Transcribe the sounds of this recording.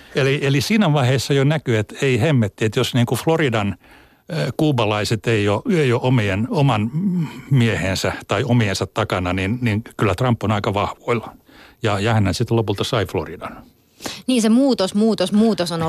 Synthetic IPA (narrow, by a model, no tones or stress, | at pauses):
elielisiːnæʋɑiheːsːɑjonækyet̪eihemːet̪ːiet̪josniːŋkufloridɑn | kuːbɑlɑiset̪eioeioʔomienomɑnmiehensæt̪ɑiomiensɑt̪tɑkɑnɑninninkylːæt̪rɑmpːonɑikɑʋɑhʋoil | jɑjɑhænhænsit̪lopult̪ɑsɑiflo̰ridɑn | niːnsemuːt̪osmuːt̪osmuːt̪osono